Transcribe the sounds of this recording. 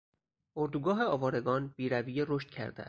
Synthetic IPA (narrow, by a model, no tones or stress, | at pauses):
oɾd̪uɡɒːɦe̞ɒːvɒːɾe̞ɡɒːnb̥iːɾæviːjeɾo̞ʃt̪̚cʰæ̰ɾd̪ḛæ̰s